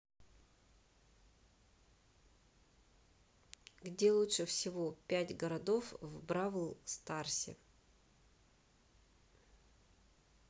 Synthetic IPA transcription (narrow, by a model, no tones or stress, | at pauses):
ɡdʲe̞lˠutʂɨfsʲɪvopʲætʲɡəɾɐd̪o̞fvbɾavəlˠst̪arsʲɪ̰